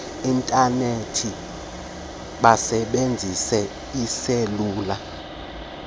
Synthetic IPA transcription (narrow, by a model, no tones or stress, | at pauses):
intʼanetʰi | ɓasɛɓend͡zʱisɛ | iseluːla